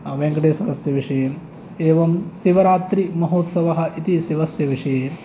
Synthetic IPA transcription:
ʋeŋɡɐɖeːsɐd̪ɐsjɐʋiʂɐjeːm | eːʋɐmsiʋɐɾaːt̪ɾimɐɦoːt̪sɐʋɐɦɐ̆ʔit̪isiʋɐsjɐʋiʂɐjeː

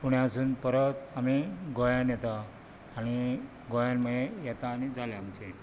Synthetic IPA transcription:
puɽ̤jasuːnpəɾət̪amiɡojanjɛt̪aː | ɽ̃i | ɡojanməejɛt̪aːɽ̃id͡zaleamt͡se

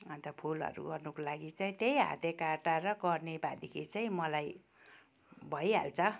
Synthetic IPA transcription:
ʌnt̪ʌpʰulʌ̰ɾṵɡʌrnukolaɡit͡saĩt̪ejɦa̰t̪ekaʈaɾʌɡʌrnebad̪ikʰit͡saĩmʌlaj | bʱʌjɦa̰lt͡sʰʌ

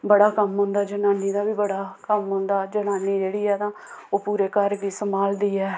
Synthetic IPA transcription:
bəɽaːkəmɦʊ̃nd̪aːd͡ʒənaːniːd̪aːbiːbəɽaːkəmɦʊ̃nd̪aːd͡ʒənaːniːd͡ʒeːɽiːɛːt̪ãː | oːpuːɾeːkəɾʋiːsəmaːld̪iːɛː

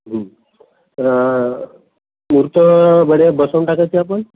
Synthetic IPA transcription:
ɦə | muɾt̪əbəɽebəsəw̃ɳʈakajt͡ɕiapəɳ

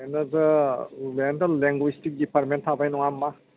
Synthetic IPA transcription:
jnɐzɯlentalleŋɡwistik̚dipʰaɾmentʰabajnɔŋamːa

